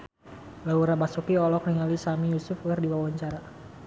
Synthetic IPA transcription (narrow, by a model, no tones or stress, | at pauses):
lauɾabasukiɔlɔk̚niŋalisamijusʊfɡardiwawaɲt͡ʃaɾa